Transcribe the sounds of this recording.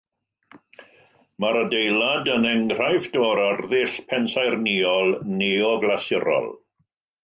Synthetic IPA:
maɾədejlˠadənɛŋr̥ajfd̥ɔːɾarðɪɬpʰɛnsajrniɔlˠneɔɡlasɪɾɔ̰lˠ

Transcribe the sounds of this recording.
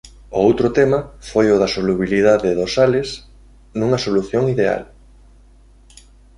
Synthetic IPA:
ʊowt̪ɾʊt̪ɛmɐfojʊðɐsoluβiliðaðɪðosalɪs | nuŋɐsoluθjoŋiðea̰l

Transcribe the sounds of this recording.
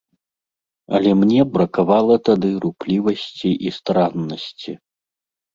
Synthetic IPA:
ɐ̰lʲɛmnʲɛbɾɐkavalˠɐt̪ad̪ɨɾuplʲivɐsʲt͡sʲiʔist̪ɾanːɐsʲt͡sʲi

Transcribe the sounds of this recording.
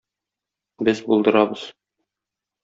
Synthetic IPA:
bɘzbulˠd̪ɤ̆ɾɑbɤz̥

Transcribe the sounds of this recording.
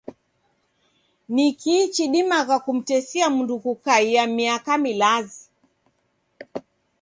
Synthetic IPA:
nikiːt͡ʃiɗimaɣakum̩tɛsiamundukukaiamiakamilazi

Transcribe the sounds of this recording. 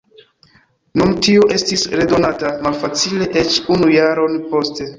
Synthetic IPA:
numtioʔestisɾe̞do̞natamalfat͡sile̞ʔet͡ʃunujaɾo̞npo̞ste̞

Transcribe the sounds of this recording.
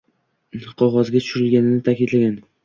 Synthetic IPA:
qʰɒʁɒzɡʲat̪ʰʊ̥ʃʊɾɪlɡʲanɪnɪt̪ʰakʲɪd̪laɡʲan

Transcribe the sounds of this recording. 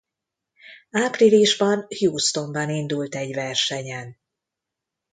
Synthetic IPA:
aːpriliʒbɒnhjuːst̪o̞mbɒnind̪ult̪ɛɟvɛrʃɛɲɛn

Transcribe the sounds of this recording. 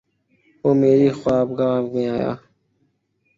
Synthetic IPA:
oːmeːɾiːxwaːbɡaːmẽːaːja̰ː

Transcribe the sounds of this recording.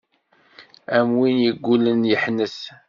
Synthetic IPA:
æmwinjəɡʷːulənjəħnəs

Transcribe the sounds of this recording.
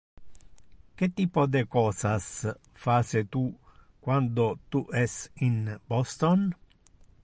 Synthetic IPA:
k̟et̪ːiːpod̪ekɔːsas | faːset̪u | kwand̪ot̪uʔɛsinbɔst̪on

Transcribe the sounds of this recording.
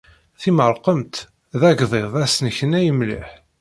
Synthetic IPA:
θiməɾˤqəmt̪ | ðæɡðˤeðˤæsnəçənæjəmlḭħ

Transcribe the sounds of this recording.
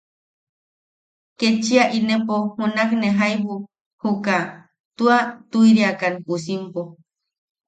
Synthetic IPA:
ket͡ʃiaʔinepohunakneɦajbu | huka | t̪uat̪ujɾiakanpus̬impo

